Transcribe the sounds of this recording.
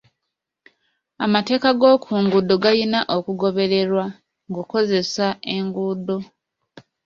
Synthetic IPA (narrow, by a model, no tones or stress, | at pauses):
a̰mate̞ːkaɡo̞ːkʰuːŋɡudoɡajinaʔokuɡo̞βe̞ɾe̞ɾwa | ŋɡuko̞ze̞sae̞ŋɡudo̞